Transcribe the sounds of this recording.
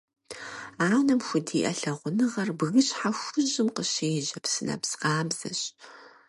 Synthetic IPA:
aːwnɐmxʷʊdiːʔɐɬɐʁʷʊnɨʁɐrbɨɣɨɕʼħaxʷʊʑɪmqəɕejʒɐpsɨnɐ̰psqɑːmz̥ɐ̰ɕ

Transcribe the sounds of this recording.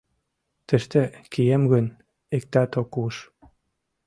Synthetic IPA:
t̪ə̆ʃt̪ĕkʰijemɣø̆n | ek̚t̪ɑt̪okuʃ

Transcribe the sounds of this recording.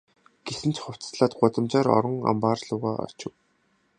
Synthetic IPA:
ɡ̥esɘ̆n̥t͡ɕχʊw̥t͡sɮaːt̪̚ɢʊt̪ə̆mt͡ɕaːɾɔ̰ɾɞ̆ŋa̰mpaːrɮʊːʁaːʔɔ̰t͡ɕɪ̆w

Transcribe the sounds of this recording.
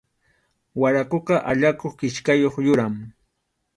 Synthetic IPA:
waɾakoqɑʔaʎakoχkɪʃkajoχjʊɾam

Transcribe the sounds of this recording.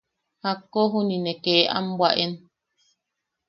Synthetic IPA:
hakːɔɦuninɛkɛːa̰m̩bwaʔɛn

